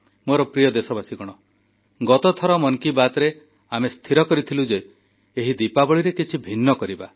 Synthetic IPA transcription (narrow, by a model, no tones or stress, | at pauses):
moɾɔpɾijɔd̪esɔbasiɡɔɽ̃ɔ | ɡɔt̪ɔt̪ʰɔɾɔmɔnkibat̪ɔɾe | amest̪ʰiɾɔkɔɾit̪ʰilud͡ʒe | eɦid̪ipabɔɭiɾekit͡ʃʰibʱinːɔkɔɾiba